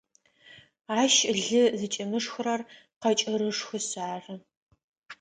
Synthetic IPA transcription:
aːʃɮɨzɨt͡ʃʼɐmɨʂxɨrɐr | qɐt͡ʃʼɐrɨʂxɨsaːrɐ

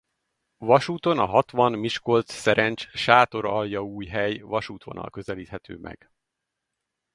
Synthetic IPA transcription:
vɒʃuːt̪o̞nɒ̰ɦɒt̪ʋɒnmiʃko̞lt̪sɛɾʔɛnt͡ʃʃaːt̪o̞ɾɒljɒuːjɦɛjvɒʃuːt̪ʋo̰nɒ̰lkø̞zɛliːt̪hɛt̪ø̰ːmʔɛ̰ɡ̥

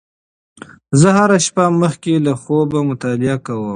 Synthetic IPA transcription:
zəhaɾaʃpaməxkelaxobamʊt̪ɑlɪakawəm

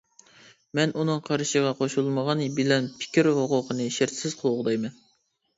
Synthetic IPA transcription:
mɛnunɨŋqʰɑɾɨʃəʁɑqʰoʃulˠməʁɑnɨbɪlɛnpʰɪ̥kʲʰiɾhoqʊqʰənɨʃeɾt̪sɪz̥qʰoʁʊd̪ɑjmɛn

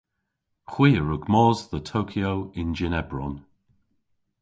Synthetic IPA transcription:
xw̥iːəɹʊɡmɔːzðətʰoʊkʰioʊɪ̃nd͡ʒɪnɛbɹɔn

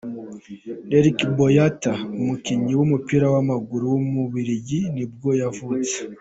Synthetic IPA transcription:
deɾikbojataumukiɲiwumupiːɾawamaɡuɾuwumuβiɾiɟinib̚ɡo̞javut͡se̥

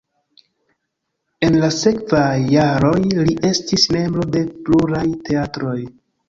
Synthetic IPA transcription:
e̞nlase̞kvaːaɾo̞jliʔe̞stisme̞mbɾo̞de̞pluɾajte̞atɾo̞j

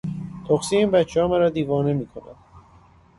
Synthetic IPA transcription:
t̪ʰoxsiːinbæt̪t͡ʃʰːeɦɒːmæɾɒːd̪iːvɒːnemiːkʰonæ̰d̪̥

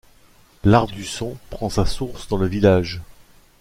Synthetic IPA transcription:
laʁd̪ysɔ̃pχɑ̃sasuʁsd̪ɑ̃ləvilaʒ

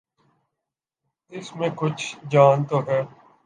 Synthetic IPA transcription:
ɪsmẽkʊt͡ʃʰd͡ʒaːnt̪oːɦɛː

